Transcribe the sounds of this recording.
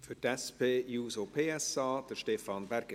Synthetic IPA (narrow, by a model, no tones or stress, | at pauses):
fʏtɛspʰeːjuːsopʰeːɛsɑːd̥əʃtefɑnbɛɾɡ̥ə